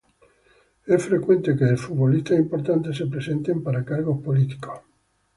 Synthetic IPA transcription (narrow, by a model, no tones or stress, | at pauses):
ɛsfɾekwẽnt̪ekeːlfuβolist̪asimpoɾt̪ant̪esepɾesẽnt̪empaɾakaɾɣospolit̪i̥ko̥s